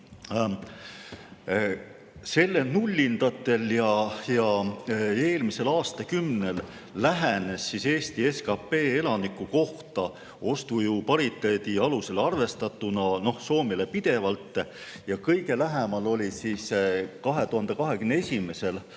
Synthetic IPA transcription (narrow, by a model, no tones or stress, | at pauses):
se̞lːe̞lnulʲːind̪̥ɑt̪ːˑe̞ljɑjɑ | e̞ːlmise̞lɑːst̪ɑkymne̞lː | æɦene̞sːise̞ːst̪ie̞skɑpe̞ːelɑnikːˑuko̞ht̪ɑ | o̞st̪ujupɑɾit̪ːˑeːd̪̥iɑluse̞lɑrve̞st̪ɑt̪ːˑunɑno̞hso̞ːmilepid̪̥e̞vɑlt̪ːˑ | jɑkɤjɡe̞læɦemɑlo̞lʲisiskɑɦe̞t̪uɦɑnd̪̥e̞kɑɦe̞kymneesʲime̞se̞l